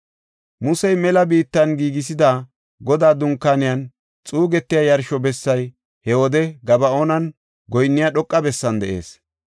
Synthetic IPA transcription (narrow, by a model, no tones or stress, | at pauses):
mʊsɛjmɛlɐbiːt̪ːɐnɡiːɡɪs̬ɪd̪a | ɡɔd̪aːd̪ʊŋkːaːnɪjɐn | t͡sʼuːɡɛt̪ːɪjajɐɾʃɔbɛsːɐj | hɛwɔd̪ɛɡɐbɐonɐn | ɡɔjnːɪjaɗɔkʼːɐbɛsːɐnd̪ɛ̰ʔe̞̰ːs